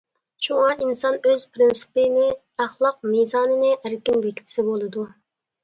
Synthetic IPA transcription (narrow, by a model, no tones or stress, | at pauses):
ʃuŋɑʔinsɑnøz̥pʰɾɪnsɨ̥pɪnɪ | æχlˠɑq̚mizɑːnɪnɪʔæɾkʲɪmbɛkʲt̪ʰɪ̥sɪbolˠɨd̪u